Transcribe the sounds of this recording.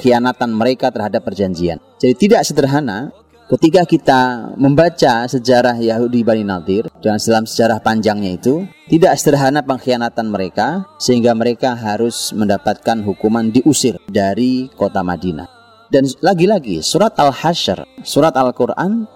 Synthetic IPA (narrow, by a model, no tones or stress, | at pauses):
xijanat̪anməɾekat̪ərɦadapːərd͡ʒaɲd͡ʒia̰n | d͡ʒadit̪idaksəd̪ərɦana̰ | kət̪ikakit̪aməmbat͡ʃasəd͡ʒaɾahjaɦudibaninad̪ɪrdansədalamsə̥d͡ʒaɾahpaɲd͡ʒaŋɲait̪ut̪idaksəd̪ərɦanapəŋxijanat̪anməɾekasəɦiŋɡaməɾekaɦaɾʊsməndapat̪̚kanɦukumandiʔusɪrdaɾikot̪ama̰dina̰ | danlaɡilaɡḭsuɾat̪̚alhaʃə̰rsuɾat̪alkurʔa̰n